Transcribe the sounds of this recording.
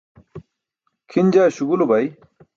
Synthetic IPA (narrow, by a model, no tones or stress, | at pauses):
kʰind͡ʑaːɕuɡulubɐj